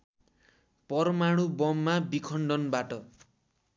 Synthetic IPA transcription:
pʌrmaɽ̃ubʌmːabikʰʌɳɖʌnbaʈʌ

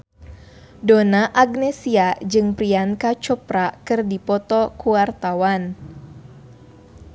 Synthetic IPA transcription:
donaʔaɡ̚nɛsiad͡ʒɨŋpɾiankat͡ʃɔpɾakɨrdipɔt̪ɔkuwart̪awan

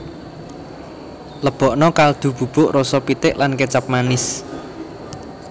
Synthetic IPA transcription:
ləb̥ɔ̤ʔnɔkald̪̥ṳb̥ṳb̥ʊʔrɔsɔpit̪ɪʔlankət͡ʃap̚manɪs

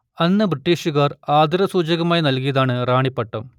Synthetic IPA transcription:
ɐnːɨbriʈːiːɕuɣaːraːd̪iɾɐsuːd͡ʑɐɣɐmaːjinɐlkijɐðaːɳɨraːɳipːeʈːɐm

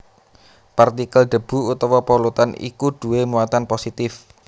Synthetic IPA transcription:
pɛrt̪ikəlɖ̪̥ə̤b̥ṳut̪ɔwɔpolut̪anḭkuɖ̪̥ṳwemuat̪anposit̪ɪf

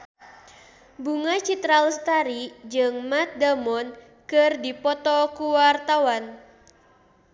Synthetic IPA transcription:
buŋat͡ʃit̪ɾalst̪aɾid͡ʒɨŋmat̪̚damɔn | kɨrdipɔt̪ɔkuwart̪awan

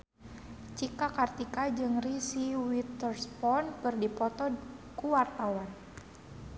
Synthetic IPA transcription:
t͡ʃikakart̪ikad͡ʒɨŋrisiwit̪ərspɔnpərdipɔt̪ɔkuwart̪awan

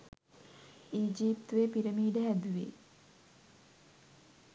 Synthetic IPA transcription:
iːd͡ʒiːpt̪uʋepiɾəmiːɖəɦæd̪uʋḛː

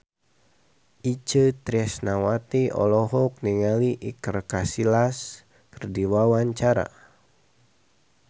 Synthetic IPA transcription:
ʔit͡ʃət̪ɾiɛsnawat̪iɔ̰lɔɦɔk̚niŋaliʔikərkasilas | kərdiwawaɲt͡ʃaɾa̰

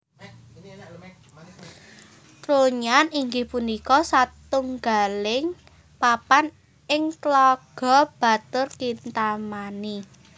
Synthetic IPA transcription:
kɾuɲaniŋɡɪhpunikɔsat̪uŋɡa̤lɪŋ | papan | ɪŋklɔɡ̥ɔ̤b̥a̤t̪ʊrkint̪amani

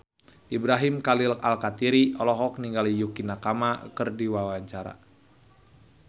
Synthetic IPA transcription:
ʔibɾaɦimkalilkalkat̪iɾiɔlɔɦɔk̚niŋɡalijukinakamakɨrdiwawaɲt͡ʃaɾa̰

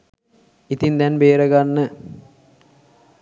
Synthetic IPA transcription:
it̪ind̪ɛnbeːɾəɡanːə

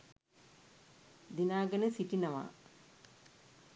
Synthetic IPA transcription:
d̪inaːɡənəsiʈinaʋa̰ː

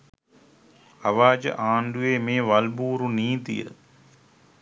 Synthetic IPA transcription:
ɐʋaːd͡ʒə̰ʔaːɳɖ̪ueːmẽːʋɐlbuːɾuniːt̪ḭjə̰

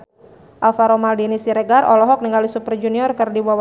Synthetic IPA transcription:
ʔalfaɾomaldinisiɾɛɡarɔlɔɦɔk̚niŋɡalisupərd͡ʒuniɔrkɨrdiwaw

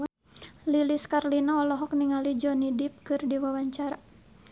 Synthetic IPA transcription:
liliskarlinaɔlɔɦɔk̚niŋalid͡ʒɔnidip̚kɨrdiwawaɲt͡ʃaɾa

